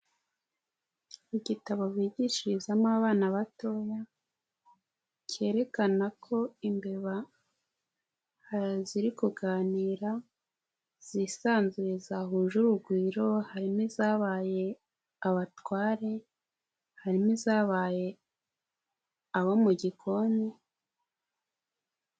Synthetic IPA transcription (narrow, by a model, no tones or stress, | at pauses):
iɟitaβo̞βiːɟiʃiɾizamaβaːnaβato̞ja | ce̞ːɾe̞kanakʰo̞imbe̞βa | ziɾikuɡaːniːɾa | z̥isaːnzuje̞zaɦuːʒuɾuɡwiːɾo̞haɾimizaːβaːje̞ | aβatwaːɾe̞ | haɾimizaːβaːje̞ | aβomuɟikʰo̞ne